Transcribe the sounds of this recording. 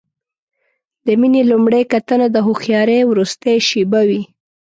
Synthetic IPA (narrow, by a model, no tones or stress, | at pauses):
d̪əminelumɽejkat̪ənad̪əɦuxjɑɾewɾust̪ejʃibawi